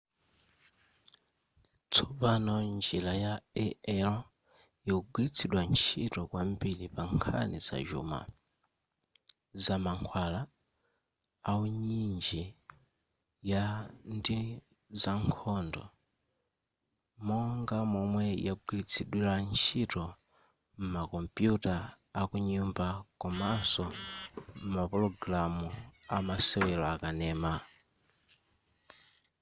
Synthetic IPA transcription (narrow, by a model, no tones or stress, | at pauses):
t͡sʰɔpanɔnd͡ʒilajaɛɛlɔ | jiuɡwilit͡sʰiɗwant͡ʃʰitɔkwambiɺipaŋkʰa̰nḭza̰ʒṵma̰ | zamaŋkʰwala | auɲind͡ʒi | jandi | zaŋkʰɔndɔ̰ | mɔŋɡamɔmwɛjakuɡilit͡sʰiɗwiɾant͡ʃʰitɔ | m̩makɔmpjutaːkuɲumbakɔmasɔ | m̩mapɾɔɡɾamuamasɛwɛlɔakanɛːma